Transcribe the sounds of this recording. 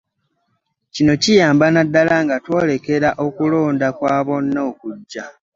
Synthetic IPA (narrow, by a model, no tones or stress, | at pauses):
cino̞cijaːmbanadːalaŋɡatwo̞ːle̞ke̞ɾaʔo̞kulo̞ːndakwaːβo̞nːookuɟːa